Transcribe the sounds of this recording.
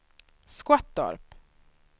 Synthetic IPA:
skwat̪̚d̪ɑ̰ɾp

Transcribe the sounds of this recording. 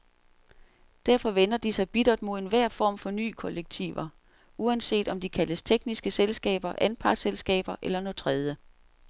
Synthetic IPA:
d̥æɐfɒ̽ʋen̰ɐd̥isɑ̈ɪb̥id̥ɐd̥mo̝ð̰ˠenʋæɐ̰fɒ̰ːmfɒ̽ny̰ːkʰɒ̽leɡ̥̚t͡sʰḭʋɐ | uænse̝̰ːd̥ɒ̽md̥ikʰæləst͡sʰeɡ̥nisɡ̥əselsɡ̥ɛ̰ːb̥ɐʔænpʰɑ̈ɡ̥selsɡ̥ɛ̰ːb̥ɐʔelɐnɔðˠt͡sʰʁɛð̞ˠjə

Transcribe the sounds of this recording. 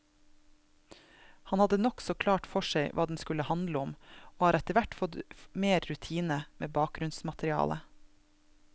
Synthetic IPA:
hɑnhɑd̪ənɔksɔkʰlɑːʈfɔʃæɪʋʔɑːd̪n̩skʉləhɑnd̪ləɔmoːhɑːɾɛt̪əʋæʈfɔd̪meːɾɾʉt̪ʰiːnəmʔeːbɑːk̚ɡɾʉnsmɑt̪ɾɪɑ̰ːlʔə̰

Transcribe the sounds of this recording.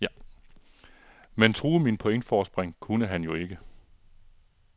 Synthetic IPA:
ment͡sʰʁuːminpʰo̽eŋ̰d̥fɒːsb̥ʁeŋkʰunəɦænjo̝e̝ɡ̥ə

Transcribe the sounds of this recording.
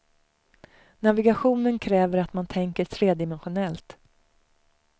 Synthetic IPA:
navɪɡaɧuːnənkʰɾɛːvəɾat̪mant̪ʰɛŋkəʈʰɾeːd̪ɪmɛnɧʊnɛlt̪

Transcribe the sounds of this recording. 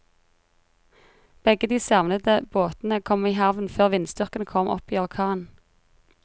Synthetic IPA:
b̥ɛɡəd̪iːsɑʋnəd̪əboːt̪n̩əkʰɔmiːhɑʋn̩føːʁʋɪnst̪ʏʁkənkʰɔmʔɔ̰piːɑlkʰɑːn

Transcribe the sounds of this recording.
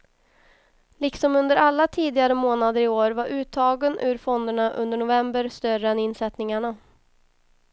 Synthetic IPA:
lɪksɔmɵnd̪əɾalːat̪ʰiːd̪ɪɡaɾəmoːnad̪əɾɪoːɾvaɾʔʉ̟ːt̪ʰːɑːɡənʔʉ̟ɾfɔnd̪əɳaʔɵ̰nd̪əɳʊvɛmbəɾst̪œrəɛnɪnsɛt̪nɪŋaɳa

